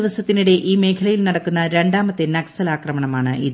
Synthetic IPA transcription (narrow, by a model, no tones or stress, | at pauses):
iʋɐsɐt̪ːiniɽe̞ʔiːme̞ːkʰɐlɐjilnɐɽɐkːunːɐɾe̞ɳɖaːmɐt̪ːenɐksɐlaːkrɐmɐɳɐmaːɳɨʔiðɨ